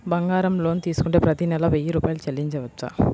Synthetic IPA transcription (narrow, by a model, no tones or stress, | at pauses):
bɐŋɡaːɾɐmlo̞ːnt̪iːsu̥kuɳʈeːpɾɐt̪inɛlɐʋejiɾuːpaːjlut͡ʃelːiɲt͡ʃɐʋɐt͡ʃːa̰